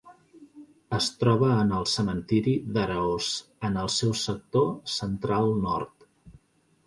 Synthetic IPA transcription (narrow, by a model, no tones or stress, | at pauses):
əst̪ɾɔβəːnəlˠsəmənt̪iɾiðəɾəosənəlˠsɛwsək̚t̪osənt̪ɾalˠnɔ̰ɾt̪